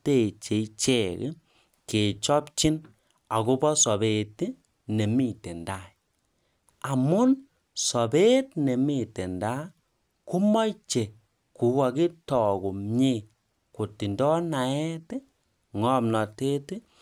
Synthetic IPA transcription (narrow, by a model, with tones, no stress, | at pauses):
te˦˨t͡ʃe˨t͡ʃe˦k | ke˨t͡ʃɔ˦pt͡ʃi˦n | a˨ku˦bɔ˦sɔ˨be˨ti˦ | ne˨mi˦˨te˨nda˦˨ | a˨mʊ˦n | sɔ˨be˦tnɛ˨mi˦te˨nda˦ | ku˦mɔ˦jt͡ʃe˨ | ku˨wa˨ki˦tɔ˨ko˨ɲe˦˨ | ko˨ti˨ndɔ˦na˨ɛ˦tɪ˦ | ŋɔ˦mnɔ˨te˦ti˦